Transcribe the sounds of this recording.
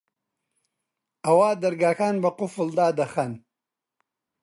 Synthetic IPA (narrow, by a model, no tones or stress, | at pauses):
ɐwaːd̪ɐɾɡaːxaːnbɐqʊfuld̪aːd̪ɐxɐn